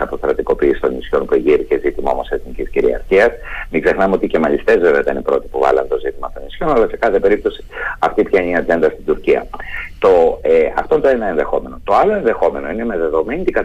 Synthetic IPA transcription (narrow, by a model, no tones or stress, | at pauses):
ɐpo̞sθɾɐt̪iko̞piːsist̪o̞nisço̞npueʝiɾicezit̪imɐo̞̰mo̞seθnicisciɾḭɐ̰ɾçiɐsmiɡze̞xnɐmeo̞t̪icemɐʎist̪e̞zveveot̪inipɾo̞t̪i̥puvɐ̰lɐ̰nt̪ozit̪imɐt̪o̞nisço̞nɐlɐse̞kɐθe̞pe̞ɾip̚t̪o̞si̥ɐft̪ipçɐeniɐd͡ʒe̞nd̪ɐst̪id̪uɾciɐ̰t̪o̞ɐ̰ft̪o̞nt̪ɐenɐenðe̞xo̞me̞no̞t̪o̞ɐlo̞e̞nðe̞xo̞me̞no̞inemeðe̞ðo̞me̞nit̪iɡɐ